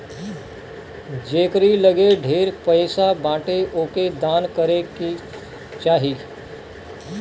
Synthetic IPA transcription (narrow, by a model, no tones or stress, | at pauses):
d͡ʒeːkɾiləɡeɖʱeːɾpəɪsabãːʈeʔoːked̪aːnkəɾeki | t͡ʃaːɦiː